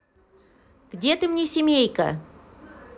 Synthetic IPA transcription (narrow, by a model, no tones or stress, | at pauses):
ɡ̥dʲet̪ɨmnʲesʲɪmʲejkə̰